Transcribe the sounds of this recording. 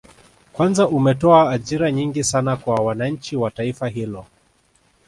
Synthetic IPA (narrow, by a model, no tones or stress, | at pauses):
kwanzaʔumɛtɔaːʄiɾaɲiŋɡisanakwawanaɲ̩t͡ʃiwataifaɦilɔ